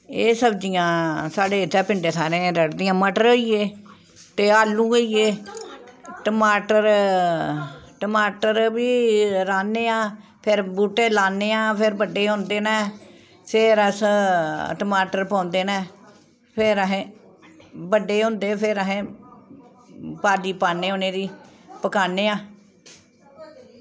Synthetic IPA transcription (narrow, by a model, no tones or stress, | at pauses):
eːsəbd͡ʒijãːsaːɖeːɪt̪ʰːɛːpɪɳɖeːt̪ʰaːɾẽːɾəɽd̪ɪjãːməʈɾoːieː | t̪eːaːlːũːɡəieː | ʈəmaːʈəɾ | ʈəmaːʈəɾbiːɾaːneːãː | pʰɪɾbuːʈːeːlaːneːãːpʰɪɾbəɖeːɦʊ̃nd̪eːnɛː | pʰɪɾəs | ʈəmaːʈəɾpãːnd̪eːnɛː | pʰɪɾəɦẽː | bəɖeːɦʊ̃nd̪eːpʰɪɾəɦẽː | paːd̪iːpaːnːeːoːneːɾiː | pəkaːneːãː